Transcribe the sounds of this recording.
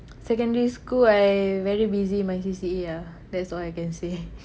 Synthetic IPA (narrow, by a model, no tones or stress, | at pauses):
sɛkə̃ndəɹiskuajvɛɹibizĩnmajsisia | dɛtsɔlajkɛ̃nse